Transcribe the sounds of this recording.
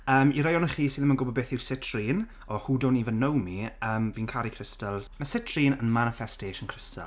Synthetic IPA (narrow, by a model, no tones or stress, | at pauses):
əːmiɾajɔnəχiːsiːðəmənɡʊbɔbeːθɪwsɪtʰriːn | ɔhuːdoːnivənowmiəːmviːnkʰaɾikʰrɪstəlˠz̥məsɪtʰr̥iːnənmanɪfɛsteːʃənkʰrɪsa̰